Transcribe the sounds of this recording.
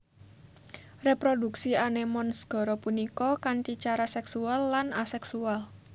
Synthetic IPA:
repɾoduksianemɔnsɡ̥ɔ̤ɾɔpunikɔkanʈ̪it͡ʃaɾasɛksualːanasɛksual

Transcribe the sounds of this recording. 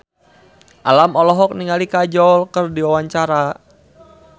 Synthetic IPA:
ʔalamɔlɔɦɔk̚niŋalikad͡ʒɔlkərdiwawaɲt͡ʃaɾa

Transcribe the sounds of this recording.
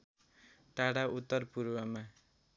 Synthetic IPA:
ʈaɽaut̪ːʌrpuɾwʌma

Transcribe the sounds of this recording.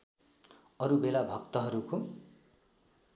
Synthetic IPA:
ʌɾubelabʱʌkt̪ʌɦʌɾuko

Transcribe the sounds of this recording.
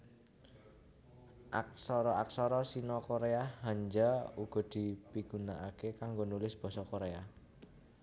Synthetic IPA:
ʔak̚sɔɾɔaksɔɾɔsinɔkoɾeaɦaɲd͡ʒauɡ̥ɔ̤d̪̥i̤piɡ̥unaakekaŋɡonulɪsb̥ɔ̤sɔkoɾea

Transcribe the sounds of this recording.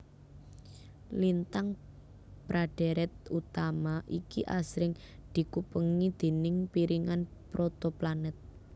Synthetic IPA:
lint̪aŋ | b̥ɾʔaɖ̥e̤ɾɛt̪̚ut̪amaʔikiʔasɾɪŋ | d̪̥i̤kupəŋid̪̥e̤nɪŋpiɾiŋanpɾot̪oplanɛt̪̚

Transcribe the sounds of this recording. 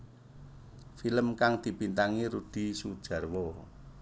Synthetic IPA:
filəmkaŋd̪̥i̤bint̪aŋiɾud̪̥i̤sud̥ʒ̥ä̤rwɔ

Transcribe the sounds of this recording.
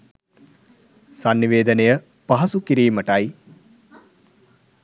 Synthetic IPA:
sanːiʋeːd̪ənejə | paɦɐsukiɾiːməʈaj

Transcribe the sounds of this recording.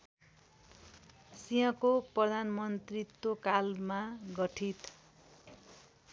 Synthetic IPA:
sijʌ̃koprʌd̪ʱanmʌnt̪rit̪ːokalmaɡʌʈʰit̪

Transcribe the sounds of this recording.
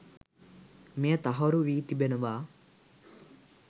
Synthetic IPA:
meːt̪ɐɦɐɾuʋiːt̪ibenuʋaː

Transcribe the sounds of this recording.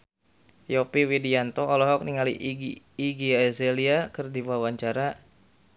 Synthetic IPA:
jɔpiwidiant̪ɔɔlɔɦɔk̚niŋalḭʔɡː | ɡiɛzeliakərdiwawaɲt͡ʃaɾa

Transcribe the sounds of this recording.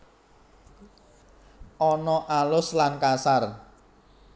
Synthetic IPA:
ʔɔnɔʔalʊslankasar

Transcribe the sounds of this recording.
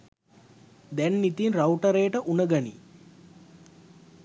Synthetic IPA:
d̪ɛnːit̪inrawʈəɾejəʈəʔunəɡanḭ

